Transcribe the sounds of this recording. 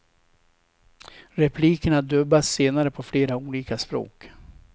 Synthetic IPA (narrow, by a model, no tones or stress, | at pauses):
ɾɛpʰliːkəɳad̪œbasːeːnaɾəpʰɔfleːɾauːliːkaspɾo̰ːk